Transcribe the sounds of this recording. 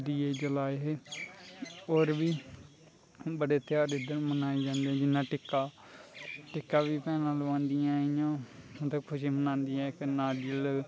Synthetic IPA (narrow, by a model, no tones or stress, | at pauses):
d̪iːeːd͡ʒəlaːeɦeː | oːɾʋiː | bəɽeːt̪ɪjaːɾɪd̪əɾmənaːeːd͡ʒãːnd̪eɛ̃ːd͡ʒɪnːãːʈɪkːaː | ʈɪkːaːʋiːpɛːnãːləʋãːnd̪ijãːijãːmt̪əkkʰʊʃĩːmənãːnd̪ijãːknaːɖiəl